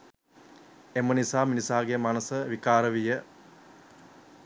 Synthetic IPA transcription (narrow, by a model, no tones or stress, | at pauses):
emənisaːminisaːɡemanəsəʋikaːɾəʋijə